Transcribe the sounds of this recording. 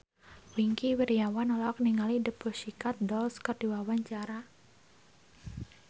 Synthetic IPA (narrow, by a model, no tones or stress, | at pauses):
wiŋkiwiɾijawanɔlɔkniŋalidəbuʃikat̪̚dɔlskərd̥i̤wawaɲt͡ʃaɾa